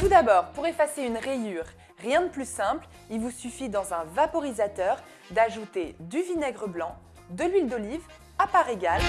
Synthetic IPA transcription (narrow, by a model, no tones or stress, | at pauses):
t̪ud̪abɔʁpuʁefaseynʁejyʁː | jɛ̃d̪əplysɛ̃pl | ilvusyfid̪ɑ̃zɛ̃vapɔʁizat̪œʁ | d̪aʒut̪ed̪yvinɛɡʁəblɑ̃ | d̪əlɥild̪ɔliv | apaʁeɡal